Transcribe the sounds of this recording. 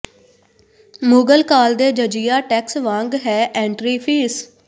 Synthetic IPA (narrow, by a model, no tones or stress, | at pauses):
muːɡəlkaːld̪eːd͡ʒəd͡ʒɪjaːʈɛːksʋãːŋɡɦɛːʔɛ̃ːɳʈɾiːpʰiːs